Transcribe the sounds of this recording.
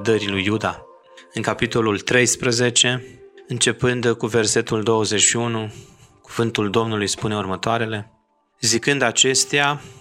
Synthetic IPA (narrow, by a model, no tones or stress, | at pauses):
d̪əɾilujːud̪a | ɨŋkapit̪o̞lult̪ɾe̞jspɾəze̞t͡ʃe̞ɨnt͡ʃe̞pɨnd̪kuve̞rse̞t̪uld̪o̞wəze̞ʃiunukuvɨnt̪uld̪o̞mnulujspune̞urmət̪oaɾe̞le̞ | zikɨnd̪at͡ʃe̞st̪ea